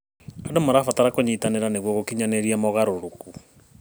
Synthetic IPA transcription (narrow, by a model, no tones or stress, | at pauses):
adomaɾafataɾakoɲitaneɾaneɣwɔɣokiɲaneɾiamɔɣaɾoɾoku